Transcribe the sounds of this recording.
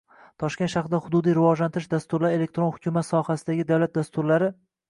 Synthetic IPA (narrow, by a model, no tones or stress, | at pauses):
t̪ʰɒʃkʲe̞nʃaχɾɪd̪ahʊd̪ʊd̪ijɾɪvɒd͡ʒlant̪ʰɪɾɪʃd̪ast̪ʊɾlaɾe̞le̞k̚ʲt̪ɾo̞nhʊ̥kʲʰʊmat̪sɒhasɪd̪aɡʲɪd̪avwlat̪̚d̪ast̪ʊɾlaɾɪ